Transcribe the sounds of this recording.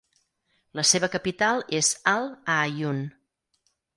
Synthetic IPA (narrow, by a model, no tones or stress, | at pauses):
ləseβəkəpit̪alˠezalˠajun